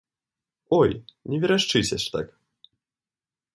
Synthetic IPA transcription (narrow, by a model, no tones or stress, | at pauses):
ɔjnʲɛvʲiɾaʂt͡ʂɨsʲɐʂt̪a̰k